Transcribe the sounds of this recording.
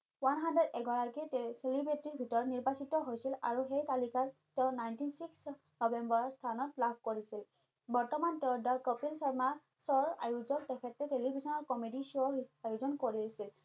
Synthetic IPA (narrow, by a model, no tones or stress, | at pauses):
wanɦandɹedɛɡɔɹakiselibetiɹbʱitɔɹɔtniɹbasitɔɦojsila̰ɹuxejkalikaɹtɛʊnajntinsiks | nɔbɛmbɔɹɔstʰanɔtlabʱkoɹisil | bɔɹtɔmantɛʊdakɔpilsaɹmaɹ | sɔɹa̰juzɔk̚tɛkʰɛtːɛtelibʱisɔnɔɹkɔmidisoiajuzɔnkoɹisil